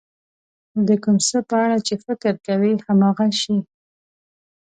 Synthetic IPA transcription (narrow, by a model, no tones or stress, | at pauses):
d̪əkumsəpəaɽat͡ʃefɪkɾkawihamɑɣaʃi